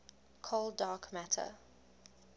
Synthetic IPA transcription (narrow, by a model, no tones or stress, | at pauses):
kʰolˠdɑːkʰmætʰə̰